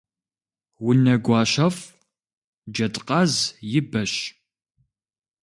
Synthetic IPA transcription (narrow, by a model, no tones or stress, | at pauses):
wʊnɐɡʷɑːɕɐf | d͡ʒɐtʼqʼɑzjɪbɐɕ